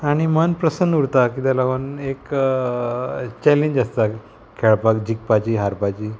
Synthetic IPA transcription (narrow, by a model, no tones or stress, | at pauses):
aɽ̃imənpɾəsənd̪uɾt̪akid̪alaɡonek | t͡ɕɛlẽɲd͡ʑast̪a | kʰeɭpakd͡ʑik̚pat͡ɕiːɦaɾpat͡ɕiː